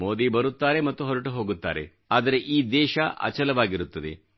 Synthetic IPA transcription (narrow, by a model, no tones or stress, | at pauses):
mo̞ːd̪ibɐɾut̪ːaːɾe̞mɐt̪ːuɦɔɾɐʈuɦo̞ːɡut̪ːa̰ːɾe̞̰ | aːd̪ɐɾe̞ʔiːd̪ɛːʃɐʔɐ̰t͡ʃɐlɐʋaːɡiɾut̪ːɐd̪e̞̰